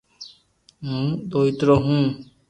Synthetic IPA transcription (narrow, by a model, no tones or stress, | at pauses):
ɦũːd̪oːit̪ɾoɦũː